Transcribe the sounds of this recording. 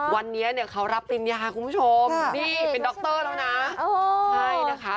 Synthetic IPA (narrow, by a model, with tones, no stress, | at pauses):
wa˧nːi˦˥ɐni˥˩ɐkʰa˦˥wɾa˦˥p̚t̪i˧njaː˧kʰu˧npʰu˥t͡ɕʰo˧mniː˥˩pe˧ndɔː˦˥k̚t̪ɤː˥˩ɾʰa˦˥˩wna˦˥o˧t͡ɕʰa˥˩ja˦˥kʰa˦˥